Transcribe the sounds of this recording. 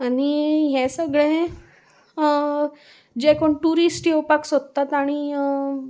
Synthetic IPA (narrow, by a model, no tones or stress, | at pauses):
aɽ̃iɦɛ̃səɡɭẽ | d͡ʑekoɳʈuɾisʈjewpaksod̪̚t̪at̪aɽ̃i